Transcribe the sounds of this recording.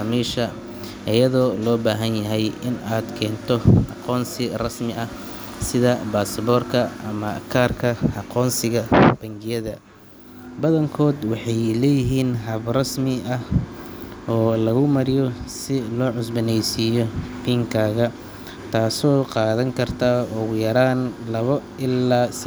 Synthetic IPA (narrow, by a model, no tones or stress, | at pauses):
miːʃɐ | ʔɪjɐðɔːlɔːbaːɦɐnjɐɦɛjɪnaːd̪kʰɛːnt̪ʰɔʔɑqɔːnsɪrɐsmɪʔɐ | sɪðɐbaːsβɔːrkʰɐʔɐmɐkʰaːrkʰɐɑqɔːnsɪɣɐb̥ɐŋɡɪjɐðɐ | bɐðɐŋkʰɔːd̪wɑħɑjlɛːjɪɦiːnɦɐβrɐsmɪɐ | ɔːlɐɣʊmɐɾɪjɔsɪlɔːʕʊsbɐnɛjsɪjɔbiːŋkʰaːɣɐ | t̪ʰaːsɔːqɑːðɐŋkʰɐrt̪ʰaɔːɣʊjɐɾaːnlɐβɐ | ɪlːaːs